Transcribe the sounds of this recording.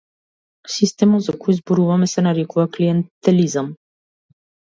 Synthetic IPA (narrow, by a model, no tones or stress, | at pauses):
sist̪ɛmɔt̪zakɔjizbɔɾuvamɛsɛnaɾɛkuvakliɛnt̪ɛlizam